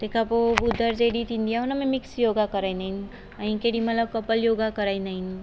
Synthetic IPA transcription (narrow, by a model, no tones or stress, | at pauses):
t̪ekapoud̪ːəɾd͡ʒeɽit̪ind̪ijaɦunamemiksjoɡakəɾəjnəin | əɦĩkeɽimət̪ləb̚kəpəljoɡakəɾajnain